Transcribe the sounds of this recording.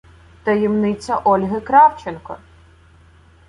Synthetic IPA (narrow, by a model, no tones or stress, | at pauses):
t̪ɐjɛmnɪt͡sʲɐʔɔlʲɦɪkɾɑwt͡ʃenkɔ̰